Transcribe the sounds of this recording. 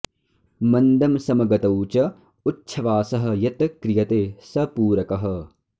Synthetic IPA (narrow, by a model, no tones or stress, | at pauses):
mɐnd̪ɐmsɐmɐɡɐt̪ɐwt͡ʃɐ | utːʃʰɐʋaːsɐɦɐ̆jɐt̪ɐkɾijɐt̪eːsɐpuːɾɐkɐɦɐ̆